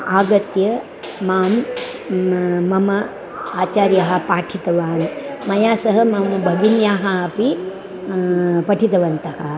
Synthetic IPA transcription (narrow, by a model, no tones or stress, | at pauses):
aːɡɐt̪jɐ | maːm | ɐmɐ | aːt͡ʃaːɾjɐɦɐ̆paːʈʰit̪ɐʋaːɾimɐjaːsɐɦɐmɐmɐbʱɐɡinjaːɦɐɐpi | pɐʈʰit̪ɐʋɐnt̪ɐhɐ